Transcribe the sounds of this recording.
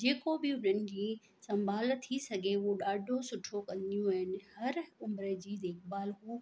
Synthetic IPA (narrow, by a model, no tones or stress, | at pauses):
d͡ʑeːkobɪʊnənɪ̆d͡ʑiː | sɐ̃mbʱaːlt̪ʰisɐɡʱeuoɗaːɖʱosʊʈʰokɐ̃nd̪ijũɦɪnɪ̆hɐɾʊmɾəd͡ʑiːd̪eːkbaːlɦuː